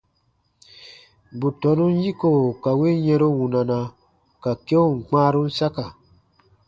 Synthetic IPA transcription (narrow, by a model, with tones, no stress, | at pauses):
bu˨tɔ˨˦nũ˦n˦ji˦ko˨ka˨we˦jɛ̃˧ɾo˦wũ˨na˨na˨ | ka˨ke˦o˦˨ŋ̩˨k͡pãː˦ɾũ˦n̩˦sa˦ka˨